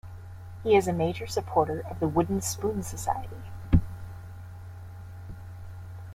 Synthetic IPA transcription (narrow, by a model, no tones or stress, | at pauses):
hiɨzɨmeɪd͡ʒə˞sɨpʰɔɹɾə˞ʔʌvðəwʊdⁿn̩spũnsɨsa̰ɪɨɾi